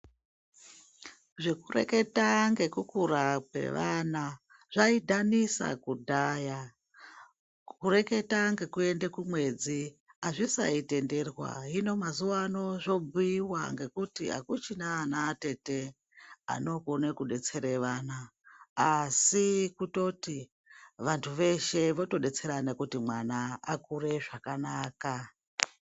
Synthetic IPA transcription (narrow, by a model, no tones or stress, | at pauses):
ʐe̞kure̞̰ke̞taŋɡe̞kukuɾap̚e̞̰ʋana | ʐ̥aidʱanisa̰kudʱaja | kuɾe̞ke̞taŋɡe̞kue̞ndekumwe̞d͡ziaʐisa̰ite̞nde̞rwa̰ɦino̞mazuʋaːno̞ʐo̞buiwaŋɡe̞kutia̰kut͡ʃinaːnate̞te̞ | a̰no̞konekuɗe̞t͡se̞ɾeʋanaː | sikuto̞ti | ʋantʰuʋe̞ʃe̞ʋo̞to̞ɗe̞t͡se̞ɾanekutimwanaakure̞ʐakanaːka